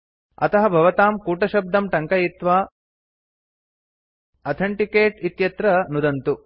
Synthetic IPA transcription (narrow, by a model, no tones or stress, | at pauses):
ɐ̰t̪ɐɦɐbʱɐʋɐt̪aːmkuːʈɐʃɐb̚d̪ɐmʈɐŋkɐjit̪ʋaː | ɐt̪ʰɐɳʈikeːʈit̪jɐt̪ɾɐnud̪ɐnt̪u